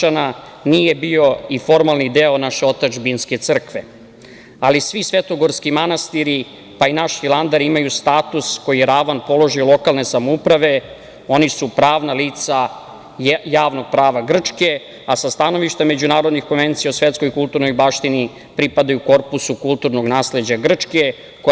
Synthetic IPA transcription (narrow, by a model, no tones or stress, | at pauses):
ana | nije̞bio̞ifo̞ɾmalˠnid̪eo̞naʃe̞o̞t̪at͡ʃbinske̞t̪sr̩kʋe | alisʋisʋe̞t̪o̞ɡo̞ɾskimanast̪iɾi | painaʃfilˠand̪aɾimajust̪aːt̪usko̞jijeɾaʋanpo̞lo̞ʒiolˠo̞kalne̞samoupɾaʋe̞ | o̞nisupɾaːʋnaliːt̪sa | jaːʋno̞ɡ̥̚pɾaːʋaɡr̩t͡ʃke̞ | asast̪ano̞ʋiʃt̪ame̞d͡ʑunaːɾod̪nixko̞nʋe̞nt̪sijausʋe̞t̪sko̞jikulˠt̪uɾno̞jbaʃt̪ini | pɾipad̪ajuko̞ɾpusukulˠt̪uɾno̞ɡnaːsled͡ʑaɡr̩t͡ʂke̞ | ko